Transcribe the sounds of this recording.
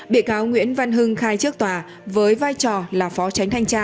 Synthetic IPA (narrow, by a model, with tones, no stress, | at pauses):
ɓḭ˧˨əkaː˨˦wŋwḭ˧˥ənva˧nɦɨ˧ŋxaː˧jt͡ɕɨ˦˥ək̚t̪waː˨˩ | vəː˨˦jvaː˧jt͡ɕɔ˨˩laː˨˩fɔ˨˦t͡ɕa˨˦ŋ̟t̪ʰa˧jŋt͡ɕaː˧